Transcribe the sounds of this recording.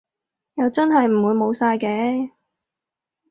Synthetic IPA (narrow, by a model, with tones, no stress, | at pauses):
jɐ˨wt͡sɐ˥nɦɐ˨jm̩˨˩wuː˨˧jmo˨˧wsaː˧jkɛː˨˧˥